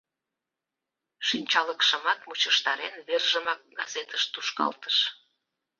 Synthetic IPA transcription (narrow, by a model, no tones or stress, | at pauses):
ʃinʲt͡ɕɑləkʃəmɑt̪mut͡ɕəʃt̪ɑɾenβerʒəmɑk̚ɡɑzet̪əʃt̪uʃkɑ̰lt̪ə̥ʃ